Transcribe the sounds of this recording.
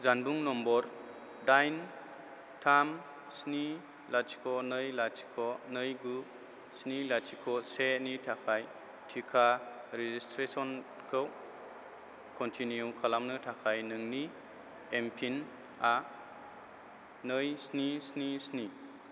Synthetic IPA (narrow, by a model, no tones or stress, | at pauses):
zanbuŋnɔmbɔɾ | dajn | tʰam | sni | lat͡ʃi̥kʰɔnɯjlatʰi̥kʰɔnɯjɡu | snilatʰikʰɔsenitʰakʰaj | tʰikʰa | ɾezistɾesɔn | kʰɯw | kʰɔntʰiniukʰalamnɯtʰakʰajnɯŋni | empʰin | a | nɯjsnisnisni